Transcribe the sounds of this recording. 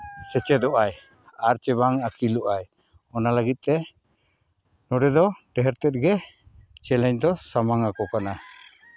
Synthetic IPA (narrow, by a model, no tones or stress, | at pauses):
sɛt͡ʃɛd̪ɔʔaj | aɾt͡ʃɛbaŋakilɔʔaj | ɔnaləɡit̪̚ˀt̪ɛ | nɔɖɛd̪ɔɖɛɦɛɾt̪ɛt̪̚ɡɛt͡ʃɛlɛɲd̪ɔsamaŋakɔkana